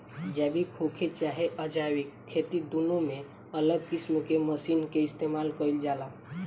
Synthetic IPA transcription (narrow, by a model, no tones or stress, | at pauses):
d͡ʒɛbʱikʰokʰet͡ʃaɦeʔəd͡ʒawikʰːet̪id̪unũme | ələɡ̚kismkeməsinkeist̪emalkəild͡ʒala